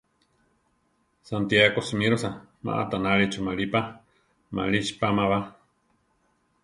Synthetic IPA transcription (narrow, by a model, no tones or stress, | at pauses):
sant̪jakosimiɾosama̰ʔa̰t̪anaɾit͡ʃumalipa | ma̰lit͡ʃpamaβa